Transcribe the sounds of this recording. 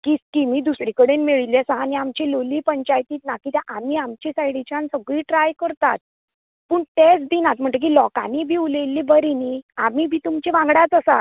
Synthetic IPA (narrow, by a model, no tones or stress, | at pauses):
kiskimiːd̪usɾikəɽenmeɭiljasəɦaniamt͡ɕelolipəɲt͡ɕajt̪iːt̪nakit̪jãʔam̤iamt͡ɕesajɽit͡ɕãnsəɡɭiːʈɾajkəɾt̪a̰t̪̚ | puːɳʈesd̪inat̪̚m̤əɳʈəkiːlɔka̰nibʱiːulelːibəɾiniamibʱiːt̪umt͡ɕeʋãŋɡɽat͡səsa̰